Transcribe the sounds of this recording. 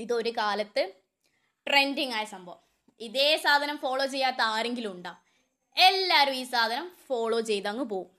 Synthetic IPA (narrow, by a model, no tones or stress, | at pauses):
iðo̞ɾukaːlɐt̪ːɨ | ʈre̞ndiŋaːjɐsɐmbʱɐʋm | iðe̞ːsaːd̪ʱɐnɐmfo̞ːɭo̞ːt͡ɕe̞jːaːt̪ːɐaːɾe̞ŋɡilumuɳɖaː | e̞lːaːɾumiːsaːd̪ʱɐnɐmfo̞ːɭo̞ːt͡ɕe̞jt̪ɐŋːɨp̬o̞ːwum